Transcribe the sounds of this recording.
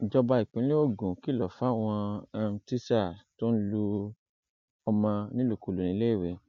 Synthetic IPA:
d͡ʒɔ˧ba˧i˨k͡pĩ˨˦le˦o˦˨ɡũ˨ki˦˨lɔ˨fa˨˦˨w̃ɔ̃˧a˦˧ti˦sa˦˨to˦n̩˦lu˧ | ɔ˧mã˧nĩ˦lo˨ku˨lu˨nĩ˨˦le˦i˦˨we˨

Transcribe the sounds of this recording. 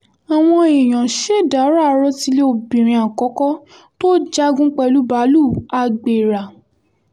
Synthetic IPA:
a˨w̃ɔ̃˧e˨j̃ã˨ʃe˦˨da˨˦ɾa˦˨˧ɾɔ˧˦ti˧le˦o˧bĩ˨ɾ̃ĩ˧a˨kɔ˨˦kɔ˦ | to˦d͡ʒa˦ɡũ˦k͡pɛ˧lu˦ba˨˦lu˦˨a˧ɡ͡be˨ɾa˨

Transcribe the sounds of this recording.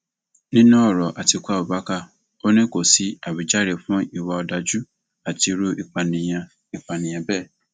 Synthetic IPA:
nĩ˦nũ˦ɔ˦˨ɾɔ˨ʔa˨ti˧kʷu˦a˦˨o˨ba˨˦ka˦˨ | o˦nĩ˦ko˨si˨˦a˨bi˨d͡ʒa˦ɾe˨fũ˦i˦˨wa˧ɔ˧da˨d͡ʒu˦ | a˨ti˧ɾo˧ʔi˨k͡pa˨nĩ˨j̃ã˧ | i˨k͡pa˨nĩ˨ã˧bɛ˦˨

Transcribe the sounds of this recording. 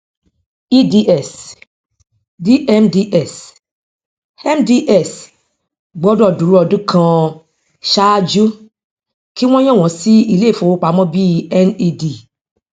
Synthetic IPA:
i˦di˧ʔɛ˨s | di˦ʔɛ˦mdi˦ʔɛ˨s | ɛ˦mdi˧ʔɛ˦˨s | ɡ͡bɔ˦dɔ˦˨du˨ɾu˦ɔ˧˨dũ˦kʰã˧ | ʃa˦d͡ʒu˦ | ki˦w̃ɔ̃˦j̃ɔ̃˦˨w̃ɔ̃˨si˦i˦˧le˦˨fõ˨˦k͡pa˨˦mɔ̃˦bi˦˨ɛ˦ni˧di˨

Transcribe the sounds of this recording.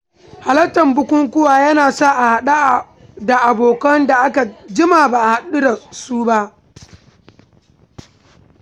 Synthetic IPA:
ha˨lɐ˦tɐ˨mbʊ˦kʷʊ˦ŋkʷʊ˦waː˨jɐ˦naː˨sa˦ʔa˨ha˨ɗa˦ʔ | da˨ʔa˨boː˨kɐ˦nda˨ʔa˦ka˨d͡ʒɪ˦maː˨baː˨ʔa˨ha˨ɗu˦da˨suː˦ba˦ʔ

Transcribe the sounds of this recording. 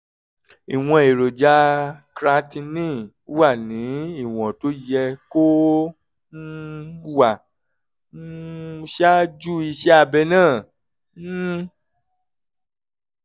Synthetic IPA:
i˨w̃ɔ̃˧e˨ɾo˨d͡ʒa˨˦kɾa˧˦tĩ˧nĩ˦˨˦ | wa˦˨nĩ˨˦i˦˨w̃ɔ̃˨to˨˦jɛ˧ko˦ | n˦wa˦˨˦ | ʃa˦d͡ʒu˦i˧ʃɛ˦a˧bɛ˧nãː˦˨˦

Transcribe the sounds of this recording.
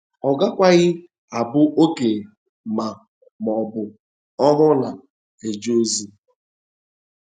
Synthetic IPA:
ɔ˨ɡa˦kʷa˦ɣɪ˦ | a˨bʊ˦ʔo˦ke˨ | ma˨ | mɔ˨bʊ˨ | ɔ˦ɦʊ˦la˨ | e˨d͡ʒo˦zi˦

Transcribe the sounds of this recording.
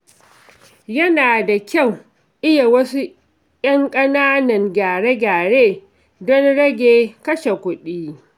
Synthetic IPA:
jɐ˦naː˨da˨kʲa˦˨w | ʔɪ˦ja˨wɐ˦su˦ | jɐ˦ŋkʼɐ˦naː˦nɐ˨ŋɡʲaː˨ɽe˦ɡʲaː˨ɽeː˦ | dɔ˦nɽɐ˦ɡʲeː˨kɐ˦ʃe˨kʷʊ˦ɗiː˦

